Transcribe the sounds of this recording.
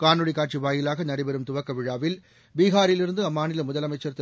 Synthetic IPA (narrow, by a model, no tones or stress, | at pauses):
kaːnɯɭɪkːaːʈ̚t͡ʃiʋaːjɪlaːɣɐnɐɽɪbɛɾɯmt̪ʊʋɐkːɐʋɪɻaːʋɪl | biːɣaːɾɪlɪɾɯnd̪ɯɐmːaːnɪlɐmʊðɐlɐmɐɪt͡ʃːɐɾt̪ɪ